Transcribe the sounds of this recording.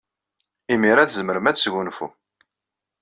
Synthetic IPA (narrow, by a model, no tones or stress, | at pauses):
imiɾæθzəməɾəmæt͡sːʝunfṵ